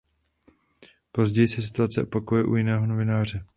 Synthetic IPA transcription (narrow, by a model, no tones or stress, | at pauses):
po̞zɟɛjɪsɛs̬ɪ̥t̪uat͡sɛ̰ʔopakojɛʔṵjɪnɛːɦo̞no̞vɪnaːr̝ɛ